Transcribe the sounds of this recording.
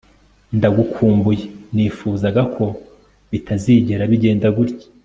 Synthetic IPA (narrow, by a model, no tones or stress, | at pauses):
ndaɡukʰuːmbujeniːfuːzaɡakʰo̞ | βitaziːɟeɾaβiɟe̞ːndaɡuɾɟi̥